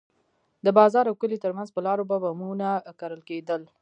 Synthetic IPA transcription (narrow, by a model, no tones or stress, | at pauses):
d̪əbɑzɑɾawkəlit̪əɾmanzpəlɑɾobabamunakaɾəlked̪əl